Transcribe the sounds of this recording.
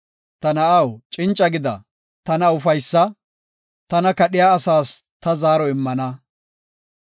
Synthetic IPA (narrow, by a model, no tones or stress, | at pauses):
t̪ɐnɐʔɐwt͡ʃʼɪnt͡ʃʼːɐɡɪd̪ɐ̰ | t̪ɐnɐʊfɐjsːɐ | t̪ɐnɐkɐɗɪjaːsaːst̪ɐzaːɾɔɪmːɐnɐ